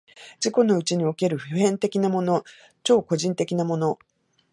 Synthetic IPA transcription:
d͡ʑiko̞no̞ɯ̟t͡ɕiɲ̟io̞ke̞ɾɯ̟ɸɯ̟hẽ̞nt̪e̞kʲinamo̞no̞ | t͡ɕo̞ːko̞ʑĩnt̪e̞kʲinamo̞no̞

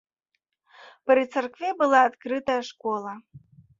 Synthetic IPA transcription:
pɾɨt̪sɐrkvʲɛbɨlˠaːt̪kɾɨt̪ɐjɐʂkɔlˠɐ

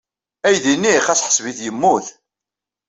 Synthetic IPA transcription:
æjðinːiχæsħə̥sviθjəmːuθ

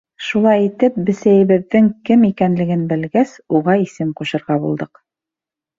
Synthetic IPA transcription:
ʃulˠɑjit̪ɘp̚bɘ̆sæjɘ̆βɘ̆ðːɘŋkɘmikænlɘ̆ɡɘnbɘ̆lɡæsuʁɑisɘmquɕɤ̆ɾʁɑbṵlˠd̪ɤq

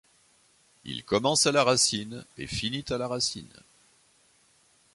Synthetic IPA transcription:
ḭlkɔmɑ̃salaʁasinḛfinit̪alaʁasḭn

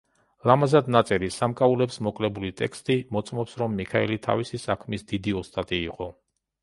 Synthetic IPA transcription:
lamazad̪nat̪sʼɛɾisamkʼaulɛpsmɔkʼlɛbulit̪ʼɛ̰kʰst̪ʼimɔt̪sʼmɔpsɾɔmːikʰaɛlit̪ʰa̰visisakʰmisd̪id̪iɔst̪ʼat̪ʼiːqʼɔ

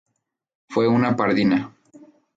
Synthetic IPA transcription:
fweunapaɾðina

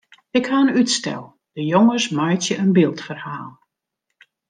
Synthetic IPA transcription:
ɪkhaənytstɛ̰lˠ | d̥əjoŋəsmajtjəənbɪlˠtfərhaːlˠ

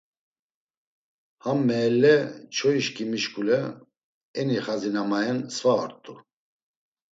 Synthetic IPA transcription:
hamːɛːlːɛt͡ʃʰɔiʃkʼimiʃkʼulɛ | ɛniχazinamajɛnsvaɔɾt̪ʼu

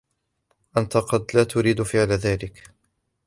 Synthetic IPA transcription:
ʔant̪aqɑd̪laːt̪ʊɾiːd̪fɪʕlaðaːlɪk

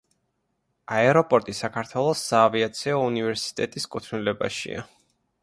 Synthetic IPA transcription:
aɛɾɔpʼɔɾt̪ʼisakʰaɾt̪ʰwɛlˠɔsːaːviat̪sʰiɔunivɛɾsi̥t̪ʼɛt̪ʼiskʼut̪ʰnilɛba̰ʃḭa̰

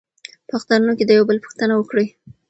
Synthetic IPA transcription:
pəaxt̪ɑnunoked̪əjawbəlpə̥xt̪ənawəkɽəj

